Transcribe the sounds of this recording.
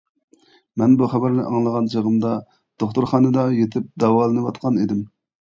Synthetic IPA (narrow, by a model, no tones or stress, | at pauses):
mɛnbuχæbæɾnɨʔɑŋlˠəʁɑnd͡ʒəʁəmd̪ɑ | d̪̥oχt̪uɾχɑːnɨd̪ɑjet̪ʰɪp̚d̪ɑwɑlˠɨnɨwɑt̪qʰɑnid̪ɪm